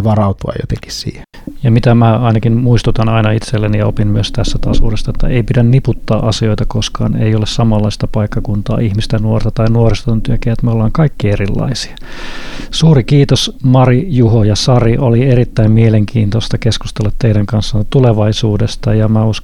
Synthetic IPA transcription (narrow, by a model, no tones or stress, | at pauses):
ʋɑrɑut̪uɑ̰jo̰t̪eŋki̥ssḭːhe̥ | jɑmit̪æmæɑinɑkinmuist̪ut̪ɑnɑinɑit̪selːenijɑopimmyøst̪æst̪æt̪ɑsṵːdest̪ːɑet̪ːæ̰eipidænniput̪ːɑːʔɑsioit̪ɑkoskɑ̰ːnḛiolessɑmɑlːɑist̪ɑpɑikːɑkunt̪ɑ̰ːihmist̪ænuort̪ɑt̪ɑinuorist̪ont̪yøkeæet̪meolːɑːŋkɑikːierilːɑ̰isi̥ɑ | suːɾikiːt̪osmɑrijuhojɑsɑriʔolieɾit̪ːæimmieleŋkʰiːnt̪ost̪ɑkesku̥st̪elːɑt̪t̪eiɾæŋkɑnsːɑnt̪uleʋɑisuːdest̪ɑjɑmæus